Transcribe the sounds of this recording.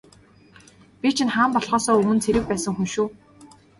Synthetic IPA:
pʲit͡ɕʰɪ̆nχaːmpɔɮχɔːsɔːɵmɵ̆nt͡sʰeɾɘ̆k̚pæːsə̆ŋxunʃuː

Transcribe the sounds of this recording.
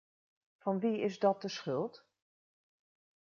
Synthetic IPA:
fɑnʋiɪzdɔt̚dəsχɵlˠt

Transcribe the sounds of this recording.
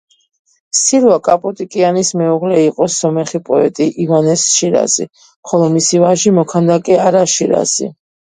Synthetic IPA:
siɾwakʼapʼɔt̪ʼikʼianismɛuʁlɛiqʼɔsɔmɛχipʼɔɛt̪ʼiʔivanɛsʃiɾa̰zḭ | mχɔlˠɔmisivaʒimɔkʰand̪akʼɛaɾaʃiɾa̰zḭ

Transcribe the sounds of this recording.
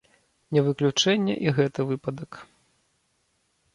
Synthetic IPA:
nʲɛvɨklʲut͡ʂɛnʲːɛ̰ʔiɣɛt̪ɐvɨpɐd̪ɐk

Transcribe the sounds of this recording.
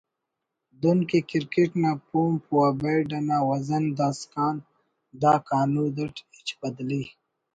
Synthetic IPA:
d̪unkekiɾkeʈnapumpuwabaɖɐnaːwɐzɐnd̪aːskaːn | d̪aːkaːnud̪əʈit͡ʃbɐd̪li

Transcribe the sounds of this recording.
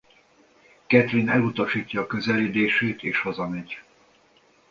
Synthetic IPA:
kɛt̪rinɛlut̪ɒʃiːcːɒːkø̞zɛleːd̪eːʃeːt̪eːʃhozɒmɛɟ

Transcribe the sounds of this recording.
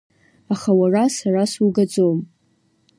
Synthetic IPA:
aχawarasarasuɡad͡zom

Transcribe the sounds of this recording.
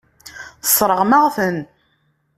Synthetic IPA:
θə̥sˤːɾˤəʁmaʁθən

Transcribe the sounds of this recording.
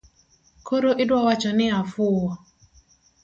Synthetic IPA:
kʰoɾoʔɪdwawat͡ʃɔnɪafʊɔ

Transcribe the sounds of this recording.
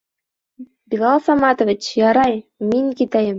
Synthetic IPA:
bilˠɑlˠsɑmɑt̪ovʲɪt͡ɕjɑɾɑjmiŋkit̪æjɘm

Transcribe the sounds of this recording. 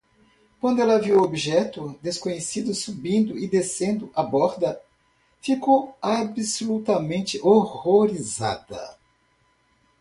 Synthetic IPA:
kwɐ̃nd̪ʊɛlɐviwwobiʒɛt̪ʊd̪eskõɲesid̪ʊsubĩnd̪ʊɪd̪esẽnd̪ʊʔabɔɾd̪ɐ | fikowabisolut̪ɐmẽnt͡ʃɪʔoʁoɾiza̰d̪ɐ̰

